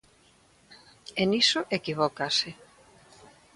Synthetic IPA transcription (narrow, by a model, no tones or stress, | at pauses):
enisoʔekiβokase